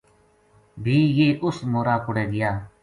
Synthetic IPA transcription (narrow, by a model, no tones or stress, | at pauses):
bʱiːjeːʔʊsmoːɾaːkʊɽeːɡɪjaː